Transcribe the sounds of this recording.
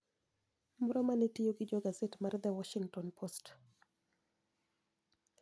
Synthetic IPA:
mɔɾɔmanitɪjoɡɪd͡ʒɔɡazetmard̪ɛwɔʃiŋtɔnpʰost

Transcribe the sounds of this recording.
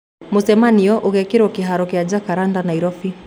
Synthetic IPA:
musɛmaniɔʔuɣɛkiɾɔkiɦaɾɔkiad͡ʒakaɾandanaiɾɔfi

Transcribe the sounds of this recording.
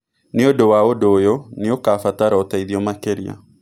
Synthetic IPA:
neodowaodoːjɔneokafataɾɔtaiðiɔmakeɾia̰

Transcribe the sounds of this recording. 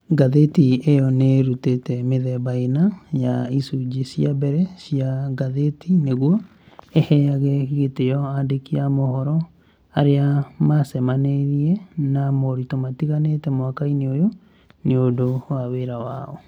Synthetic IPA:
ɡaðetiejɔneɾutetɛmeðɛβainajaisud͡ʒisiabɛɾɛsiaɡaðetʰineɣwɔ | ehɛaɣekiɣetejɔadekiamohɔɾɔ | aɾeamasɛmaneɾiɛnamoɾitomatiɣanetɛmwakaineojo | neondowaweɾawaɔ

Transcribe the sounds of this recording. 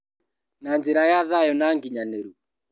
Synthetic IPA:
nand͡ʒeɾajaðajɔnaŋɡiɲaneɾu

